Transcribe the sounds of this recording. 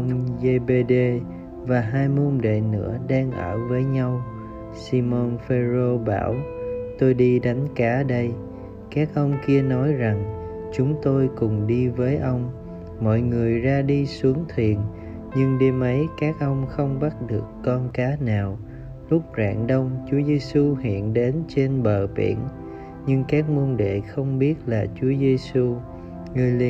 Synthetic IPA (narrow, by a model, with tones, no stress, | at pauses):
ʔwŋ͡mze˧ɓe˧ɗe˧ | vaː˨˩ɦaː˧jmu˧nɗḛ˧˨nɨ̰˧˥əɗaː˧ŋʔə̰ː˧˩vəː˨˦jɲa˧w | si˧mo˧nfe˧zo˧ɓaː˧˩wt̪o˧jɗi˧ɗa˨˦jŋ̟kaː˨˦ɗə˧j | kaː˦˥k̚ʔə˧wŋ͡mki˧ənɔ˨˦jza˨˩ŋ | t͡ɕʊ˨˦ŋ͡mt̪o˧jkʊ˨˩ŋ͡mɗi˧vəː˨˦jʔə˧wŋ͡m | mɔ̰˧˨jŋɨ˨˩əjzaː˧ɗi˧su˨˦əŋt̪ʰwi˨˩ən | ɲɨ˧ŋɗe˧mʔə˨˦jkaː˦˥k̚ʔə˧wŋ͡mxə˧wŋ͡mɓa˦˥t̚ɗɨ˨˩əkːɔ˧nkaː˨˦naː˨˩w | lʊ˦˥k͡p̚za̰ː˧˨nɗə˧wŋ͡mt͡ɕu˨˦əze˧su˧hḭ˧˨ənɗe˨˦nt͡ɕe˧nɓəː˧˨˩pḭ˧˩ən | ɲɨ˧ŋkaː˦˥k̚mu˧nɗḛ˧˨xə˧wŋ͡mɓi˦˥ət̚laː˨˩t͡ɕu˨˦əze˧su˧ | ŋɨ˨˩əjlḭ˧